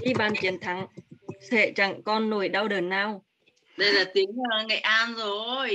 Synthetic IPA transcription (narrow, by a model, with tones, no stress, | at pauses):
i˧ɓaː˨˩nt͡ɕi˨˦ənt̪ʰa˨˦ŋsʰḛ˧˨t͡ɕa˧˩ŋkɔ˧nːo˧˩jɗa˧wɗəː˨˩nːaː˧w | ɗə˧jlaː˨˩t̪i˨˦əŋaː˨˩ŋa̰˨˩˨jʔaː˧nzo˨˩j